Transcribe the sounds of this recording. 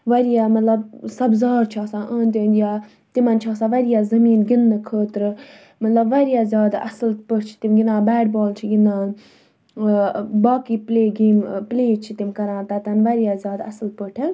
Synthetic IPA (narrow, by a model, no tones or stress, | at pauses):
ʋɐɾijaːmɐt̪lɐb̚sɐbzaːɾt͡ʃʰaːsãːʔəːnt̪inja | t̪imɐnt͡ʃʰaːsãːʋɐɾijaːzɐmiːnɡinːɨkʰəːt̪ɾ | mɐt̪lɐbʋɐɾijaːzjaːd̪aɐslpəʈʰt͡ʃʰi̥t̪imɡinãːbɛːɖbaːlt͡ʃʰiɡinaːn | baːkiːpleːɡeːmpleːt͡ʃʰit̪imkɐɾãːnt̪at̪ɐnʋɐɾijaːzʲjaːd̪ɐslpəʈʰe